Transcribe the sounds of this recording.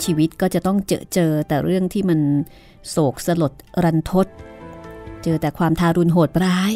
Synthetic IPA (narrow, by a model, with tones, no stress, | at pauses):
t͡ɕʰiː˧wi˦˥t̪̚kɔː˥˩t͡ɕa˨˩ʔt̪ɔ˥˩ŋt͡ɕɤ̰ː˧˩t͡ɕɤː˧t̪ɛː˨˩ɾɯ˥˩əŋt̪ʰiː˥˩ma˧n | soː˨˩k̚sa˧lo˨˩t̪̚ɾa˧nt̪ʰo˦˥t̪̚ | t͡ɕɤː˧t̪ɛː˨˩kʰwaː˧mt̪ʰaː˧ɾu˧nɦoː˨˩t̪̚ɾaː˦˥j